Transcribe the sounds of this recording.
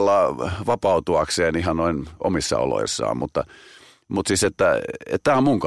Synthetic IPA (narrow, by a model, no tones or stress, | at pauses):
lːɑʋɑpɑut̪uɑkseːnihɑnnoino̰misːɑ̰o̰lo̰isːɑ̰ːmmut̪ːɑ | mut̪siset̪ːæḛt̪t̪æːommuŋk